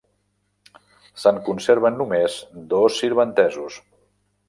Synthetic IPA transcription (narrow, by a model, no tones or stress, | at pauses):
səŋkunseɾβənːumezd̪osːiɾβənt̪ɛzus